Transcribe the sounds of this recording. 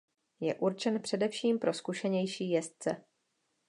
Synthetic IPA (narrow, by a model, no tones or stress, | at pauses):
jɛʔuɾt͡ʃɛnpr̝̥ɛdɛfʃiːmpɾo̞skuʃɛɲɛjʃiːjɛst̪̚t͡sɛ